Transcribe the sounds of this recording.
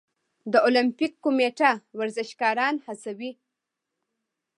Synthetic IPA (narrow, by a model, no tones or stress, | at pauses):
d̪əolampikːomeʈawaɾzɪʃkɑɾɑnhasawi